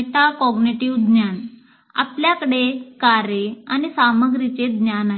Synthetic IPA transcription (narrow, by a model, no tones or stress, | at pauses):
t̪akɔɡniʈiʋd̪njan | a̰pljakəɽekaɾeañisaməɡɾit͡sed̪njanaɦ